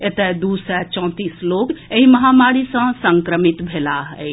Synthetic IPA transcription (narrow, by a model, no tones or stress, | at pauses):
et̪ed̪usɛt͡ʃɔ̃t̪islokeɦiməɦamaɾisə̃səŋkɾəmit̪bʱelaɦɛ